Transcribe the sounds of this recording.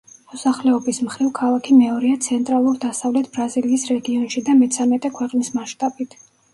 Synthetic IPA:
mɔsaχlɛɔbismχɾivkʰalˠakʰimɛɔɾiat̪sʰɛnt̪ʼɾalˠuɾd̪asavlɛt̪ʰbɾaziliːsɾɛɡiɔnʃid̪amɛt̪sʰamɛt̪ʼɛkʰwɛqʼnismaʃt̪ʼabit̪ʰ

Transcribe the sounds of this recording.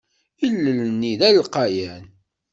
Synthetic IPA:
ilːəlniðælqɑjæn

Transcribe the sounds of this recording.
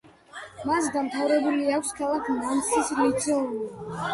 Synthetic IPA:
masd̪amt̪ʰavɾɛbuliakʷʰskʰalˠakʰnant̪sʰislit̪sʰɛuli

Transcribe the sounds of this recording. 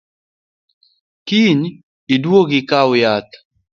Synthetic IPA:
kin | idwoɡikaʊjat̪

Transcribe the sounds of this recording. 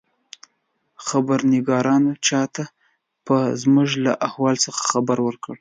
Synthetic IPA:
xabaɾnɪɡɑɾɑnot͡ʃɑt̪a | pəzmʊʒlaʔahwɑlsəxḁxabaɾwəɾkəɽ

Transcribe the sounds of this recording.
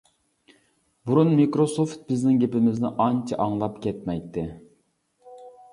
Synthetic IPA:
buɾunmikɾosoft̪̚bɪznɪŋɡʲepɪmɪznɪʔɑnt͡ʃʰɑʔɑŋlˠɑpkʲʰɛt̪̚mɛjt̪ʰːɪ

